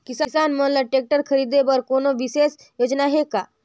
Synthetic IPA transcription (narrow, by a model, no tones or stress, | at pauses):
kissanmənlaʈek̚ʈəɾkʰəɾid̪ebəɾkonoʋises | jod͡ʒnaɦeka